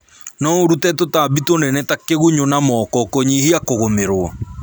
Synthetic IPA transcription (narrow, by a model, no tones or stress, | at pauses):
nɔoɾutɛtotaːbitonɛnɛtakeɣuɲonamɔkɔkoɲihiakoɣomeɾwɔ